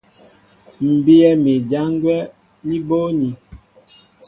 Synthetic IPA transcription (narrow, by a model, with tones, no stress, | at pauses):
m̩˨bi˦ɛ˦me˨d͡ʒa˦ŋɡwɛ˦ | ni˦bo˦ni˨